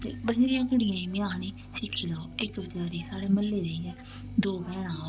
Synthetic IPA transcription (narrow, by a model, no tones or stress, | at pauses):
t̪ḛːbəsɾɪjãːkəɽɪjãːĩːmɪjãːñiː | sɪkʰːiːloːɪkbəd͡ʒaːɾiːsaːɽeːməlːeːɾəiːɛː | d̪oːbɛːñãː